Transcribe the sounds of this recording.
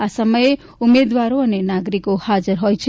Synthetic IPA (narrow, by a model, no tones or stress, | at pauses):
asəməje | umed̪ʋaɾoənenaɡɾikohad͡ʒəɾɦojt͡ʃʰ